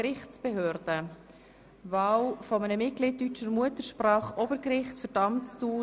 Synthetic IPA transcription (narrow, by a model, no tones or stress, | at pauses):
ɾɪχtt͡sb̥ɛɦøːɾd̥ə | vɑːwfɔmənəmɪt̚ɡ̥lɪːt̚tːyt͡ʃəɾmuətəɾʃpɾɑːχʔɔbəɾkɾɪχtfəɾdɑmt͡stuː